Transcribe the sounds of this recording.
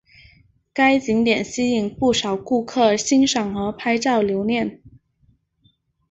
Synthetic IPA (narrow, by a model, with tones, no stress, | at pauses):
ka˥ɪt͡ɕi˧˥ŋt̪jɛ˨˩nɕi˥i˨˩ŋpu˥˩ʂɑ˨˩ʊku˥˧kʰɤ˥˩ɕi˥nʂɑ˨˩ŋxɤ˧˥pʰa˥ɪʈ͡ʂɑ˥˩ʊljo˧˥ʊnjɛ˥˩n